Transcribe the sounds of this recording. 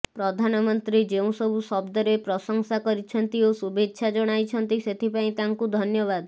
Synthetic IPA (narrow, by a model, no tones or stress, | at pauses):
pɾɔd̪ʱanɔmɔnt̪ɾid͡ʒeũsɔbʱusɔbd̪ɔɾepɾɔsɔŋsakɔɾit͡ʃʰɔnt̪iosubetːʃʰad͡ʒɔɽ̃ajt͡ʃʰɔnt̪iset̪ʰipaĩt̪aŋkud̪ʱɔnjɔβad̪